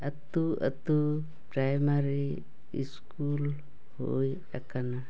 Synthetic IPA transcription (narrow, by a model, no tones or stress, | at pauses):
at̪uə̰t̪u | pɾajmaɾiː | skul | hoj | akana